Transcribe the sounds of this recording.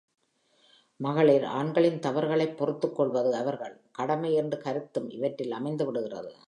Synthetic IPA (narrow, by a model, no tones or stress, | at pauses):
mɐɣɐɭeːɾa̰ːɳɡɐɭɪnt̪ɐʋɐɾɣɐɭɐɪpːɔrɯt̪ːɯkːɔɭʋɐðɯɐʋɐɾɣɐɭkɐɽɐmɐɪɛndrɯkɐɾɯt̪ːɯmɪ̰ʋɐʈrɪlɐmɐɪnd̪ɯʋɪɽɯɣɪrɐ̰ðɯ̰